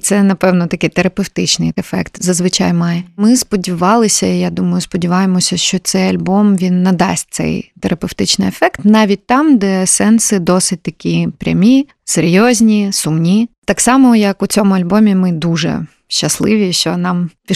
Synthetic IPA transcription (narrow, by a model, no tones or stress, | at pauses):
t̪sɛnɐpɛwnɔt̪ɐkɪjt̪eɾɐpewt̪ɪt͡ʃnɪjefɛkt̪zɐzʋɪt͡ʃɑ̰jmɑjɛmɪspɔdʲiʋɑlˠɪsʲɐijad̪umɐjʊspɔdʲiʋɑjemɔsʲɐʃt͡ʃɔt̪sɛjɐlʲbɔmʋʲinːɐd̪ɑ̰sʲt̚ʲt̪sɛ̰jt̪eɾɐpewt̪ɪt͡ʃnɪ̰jefɛkt̪nɑʋʲit̚ʲt̪ɑmd̪ɛsɛnsɪd̪ɔsɪt̚ʲt̪ɐkʲipɾʲɐ̰mʲi | seɾʲjɔzʲnʲisʊmnʲit̪ɑksɑmɔjɐkʊt͡sʲɔmʊɐlʲbɔmʲimɪd̪uʒɛ̰ | ʃt͡ʃːɐslˠɪʋʲiʃt͡ʃɔnɑmpʲ